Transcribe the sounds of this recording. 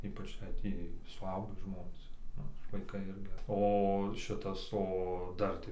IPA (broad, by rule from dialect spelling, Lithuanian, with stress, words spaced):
ˈiːpɐt͡ʃ jɛɪ ˈtʲiː sʊˈɐʊɡʲiː ˈʒmoːnʲeːs ˈnʊ ɪr ʋɐɪˈkɐɪ ˈɪrʲɡʲɪ oː ˈʃʲɪtɐs oː ˈdɐr tɐɪ